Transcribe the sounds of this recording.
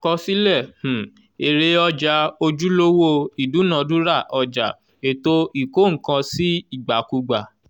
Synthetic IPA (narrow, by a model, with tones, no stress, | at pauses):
kɔ˧si˦lɛ˦˨h̩˨ | e˨ɾe˧ɔ˧d͡ʒa˧˦o˧d͡ʒu˦lo˦wo˦˧i˨du˨˦nã˨˦dũ˦ɾa˦˨ʔɔ˧d͡ʒa̰˨ | e˨to˦i˨ko˦˨ŋ̩˨˦kã˧si˦i˦˨ɡ͡ba˨ku˧ɡ͡ba˨